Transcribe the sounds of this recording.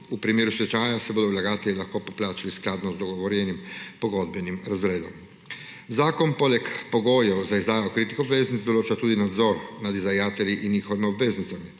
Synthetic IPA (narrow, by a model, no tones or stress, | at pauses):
upɾimjeːɾusʋɛt͡ʃaːjasɛboːd̪ɔwlaɡaːt̪ɛlʲilaxkopoplaːt͡ʃalisklaːd̪nɔzd̪ɔɡɔʋɔɾjɛnimpɔɡod̪̚bɛnimɾazɾeːd̪ɔ̰m | zaːkɔnpolɛkpɔɡoːjɛwzaizd̪aːjaokɾit̪ixɔbʋeːznit̪sd̪ɔloːt͡ʃat̪uːd̪inad̪zɔːɾnad̪izʋajaːt̪ɛliʔinɲiːxɔʋimiɔbʋeːznit̪sami